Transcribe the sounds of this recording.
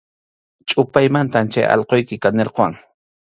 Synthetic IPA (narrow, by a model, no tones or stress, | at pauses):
t͡ʃʼʊpajmant̪amt͡ʃajɑ̰lqojkɪkaneɾqowaŋ